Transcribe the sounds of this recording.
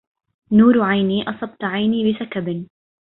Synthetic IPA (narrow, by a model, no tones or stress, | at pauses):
nuːɾʕajniːʔɑsˤɑb̚t̪ʕajniːbɪsakab